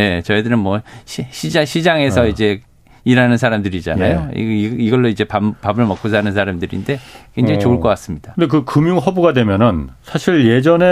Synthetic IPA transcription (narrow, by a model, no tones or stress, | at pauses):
e̞t͡ɕʌidɯɾɯnmwʌɕʰiɕʰid͡ʑaɕʰid͡ʑaŋe̞s̬ʰʌid͡ʑe̞ | iɾanɯnsʰaɾamdɯɾid͡ʑa̰najoḭiɡʌɭːoid͡ʑe̞papabɯɭmʌk͈ʰusʰaɦnɯnsʰaɾamdɯɾḭnde̞kwend͡ʑeit͡ɕoɯɭk͈ʌk͈as͈ɯmɲid̥aɯnd̪ek̬ɯkɯmjuŋɦʌbuɡadwe̞mjʌnɯnsʰaɕʰiɭje̞d͡ʑʌne